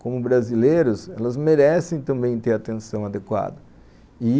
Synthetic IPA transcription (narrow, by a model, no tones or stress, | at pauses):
kõmʊbɾazilejɾʊsɛlɐzmeɾɛsẽj̃t̪ɐ̃mbẽj̃t̪eɾat̪ẽnsɐ̃w̃ad̪ekwa̰d̪ɐ | ɪ